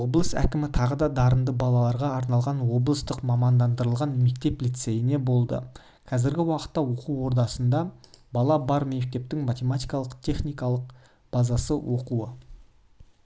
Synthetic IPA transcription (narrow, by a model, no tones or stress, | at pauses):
woblˠəsæ̰kʲɪmɪt̪ʰɑʁəd̪ɑd̪ɑɾənd̪əbɑlˠɑlˠɑɾʁɑːɾnɑlˠʁɑnwo̞blˠəst̪əqmɑmɑnd̪ɑnd̪əɾəlˠʁɑnme̞k̚t̪e̞plijt̪se̞jɪne̞bo̞lˠd̪ə̰ | qʰɑzɪɾɡʲɪwɑqə̥t̪ːɑwo̞quwwo̞ɾd̪ɑsənd̪ɑbɑlˠɑbɑɾme̞k̚t̪e̞p̚t̪ɪŋmat̪ʲe̞mat̪ʲijkɑlˠəqt̪ʲʰe̞χnʲijkɑlˠəq | b̥ɑzɑsəwʔo̞quə